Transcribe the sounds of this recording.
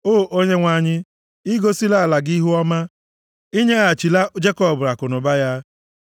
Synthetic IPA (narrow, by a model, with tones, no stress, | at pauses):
oː˦˨ʔo˦ɲe˦ŋʷa˨˦˨ɲɪ˦ | i˦ɡo˦si˦la˦a˨la˨ɡi˦ɦu˦ɔ˦ma˦ | i˦ɲe˦a˨t͡ʃi˨la˦d͡ʒe˦kɔ˦˨bʊ˨ɾa˨kʊ˨nʊ˨ba˦ja˦